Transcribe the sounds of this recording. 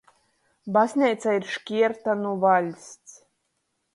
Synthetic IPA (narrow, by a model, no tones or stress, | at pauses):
basʲnʲɛjt̪saiɾʃkʲiɛɾt̪anuvalʲsʲt̪s